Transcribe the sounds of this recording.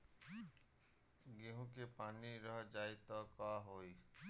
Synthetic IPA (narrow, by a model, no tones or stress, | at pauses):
ɡeɦũkepaniɾɔɦɔd͡ʒajt̪ɔkɔaɦoj